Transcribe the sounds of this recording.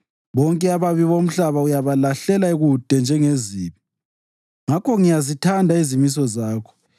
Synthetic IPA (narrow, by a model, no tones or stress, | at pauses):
βɔŋkʼɛaβaβiβom̩ɬaβaujaβalaɬɛlaeɣud̥ʱɛnd͡ʒʱɛŋeziːβi | ŋakʰɔŋijazitʰandʱaizimis̬ɔzaːkʰɔ̥